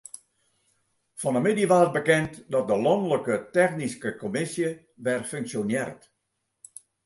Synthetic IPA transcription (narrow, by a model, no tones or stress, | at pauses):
fɔnəmɪdjəʋaːət̚bəkɛntdɔt̚dəlɔndələkətɛxniskəkomɪsjə | ʋɛrføŋksjonjɛrt